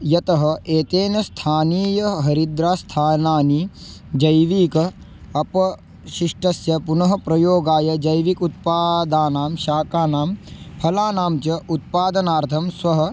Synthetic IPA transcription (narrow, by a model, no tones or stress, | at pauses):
jɐt̪ɐɦɐ̆ʔeːt̪eːnɐst̪ʰaːniːjɐɦɐɾid̪ɾaːst̪ʰaːnaːnid͡ʒɐjʋiːkɐ | ɐpɐ | ʃiʂʈɐsjɐpunɐɦɐpɾɐjoːɡaːjɐd͡ʒɐjʋikut̪̚paːd̪aːnaːmʃaːkaːnaːmpʰɐlaːnaːmt͡ʃɐʔut̪̚paːd̪ɐnaːɾt̪ʰɐmsʋɐɦɐ̆